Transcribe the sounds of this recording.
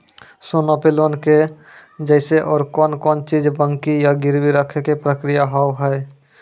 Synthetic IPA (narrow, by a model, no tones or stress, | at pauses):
soːnopeloːnke | d͡ʒɛɪseʔɔːɾkɔːnkɔːnt͡ʃiːd͡ʒbə̃ŋkijaɡɪɾwiɾəkʰekepɾəkɾɪjaɦaːɦɛɛ